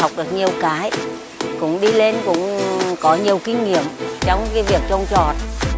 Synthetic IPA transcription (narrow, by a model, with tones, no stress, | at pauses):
wk͡p̚ɗɨ˨˩ək̚ɲi˨˩əwkaː˨˦j | kʊ̰˧˥ŋ͡mɗi˧le˧nkʊ̰˧˥ŋ͡mkɔ˨˦ɲi˨˩əwkï˧ŋ̟ŋḭ˧˨əmt͡ɕɔ˧wŋ͡mkaː˨˦vi˨˩ək̚t͡ɕə˧wŋ͡mt͡ɕɔ˨˩t̚